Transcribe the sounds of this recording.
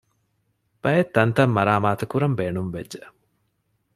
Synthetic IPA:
b̥ɐjet̪ːɐnt̪ɐmːɐɾaːmaːt̪ɐkuɾɐmbeːnumʋḛd͡ʒːe

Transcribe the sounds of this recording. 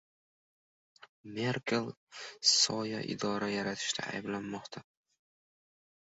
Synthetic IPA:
meɾkʰʲelˠsɒjaʔɪ̰d̪ɒɾajaɾat̪ʰɪ̥ʃt̪ʰa̰a̰jblanːɒqt̪ʰa

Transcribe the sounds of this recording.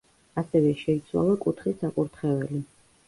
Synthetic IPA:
asɛvɛʃɛit̪sʰwa̰lˠakʼut̪ʰχisakʼuɾt̪ʰχɛvɛli

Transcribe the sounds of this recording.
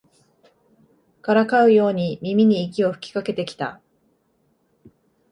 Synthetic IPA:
kaɾakaɯ̟jo̞ːɲ̟imʲimʲiɲ̟iːkʲio̞ɸɯ̟̥kʲi̥kake̞t̪e̞kʲi̥t̪a̰

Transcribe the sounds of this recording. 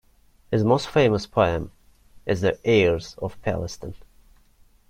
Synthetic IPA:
hɨzmoʊstfẽɪ̃məspʰoə̃m | ʔɨzðiʔɛɹz̥ʌ̰v̥pʰæ̰lˠəstə̃n

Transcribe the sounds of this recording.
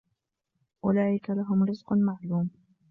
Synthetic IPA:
ʔʊlaːʔɪkalaɦʊmɾɪzqʊmaʕluːm

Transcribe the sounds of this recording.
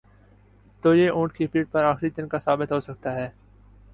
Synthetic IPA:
t̪oːjeʔõːʈkipiːʈ̚pɐɾaːxɾid̪ɪnkasaːbɪt̪ɦoːsɐk̚t̪aɦɛː

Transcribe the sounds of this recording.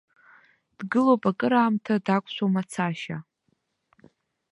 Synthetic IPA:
d̥ɡɨlowpʼakʼɨɾaːmtʰadakʷʼʃʷomat͡sʰaʃa

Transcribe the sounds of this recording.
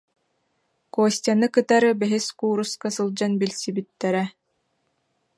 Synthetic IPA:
kuːsʲt̪ʲanɯkɯt̪aɾɯbɛɦiskuːɾuskasɯlˠd͡ʑanbilʲsibit̪ːɛɾɛ

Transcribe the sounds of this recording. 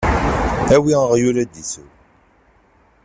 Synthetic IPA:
æwiəʁjuɾæd̪isṵw

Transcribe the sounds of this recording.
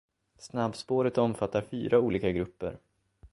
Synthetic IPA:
snabːspoːɾət̪ɔmfat̪ːaɾfy̰ːɾauːliːkaɡɾɵpːə̰ɾ

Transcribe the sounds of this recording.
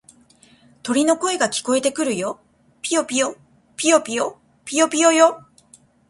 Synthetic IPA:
t̪o̞ɾʲino̞ko̞e̞ɡakʲi̥ko̞e̞t̪e̞kɯ̟ɾɯ̟jo̞ | pʲio̞pʲijo̞ | pʲijo̞pʲijo | pʲijo̞pʲijo̞jo̞

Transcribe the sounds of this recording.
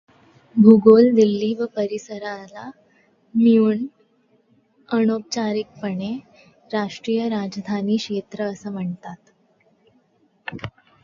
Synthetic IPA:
bʱuɡold̪ilːiːʋəpəɾisəɾala | miuɳ | əɳop̚t͡ɕaɾik̚pəɳe | ɾaʂʈɾiːjəɾad͡zd̪ʱaniːkɕet̪ɾəːsəːm̤əɳt̪at̪

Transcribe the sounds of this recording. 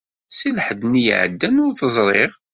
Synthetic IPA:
silħəd̪njə̰ʕə̰d̪ːænʊɾθəzˤɾˤeʁ

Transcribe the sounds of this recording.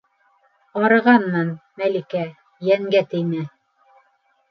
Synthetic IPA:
ɑɾɤ̆ʁɑnːɑnmælikæ | jæŋɡæt̪ɘ̆jnæ

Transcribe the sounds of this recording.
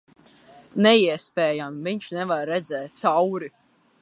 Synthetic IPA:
nɛiɛspʲɛːjamviɲʃnɛvaɾːɛd̪zɛːt̪̚t̪sawɾi

